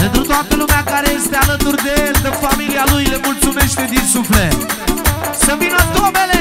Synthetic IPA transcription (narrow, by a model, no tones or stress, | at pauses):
d̪ent̪ɾut̪at̪əlumeakaɾeest̪ealənt̪uɾd̪eeld̪əfamilialujlemult̪sumeʃt̪ed̪isufle | səvinot̪obele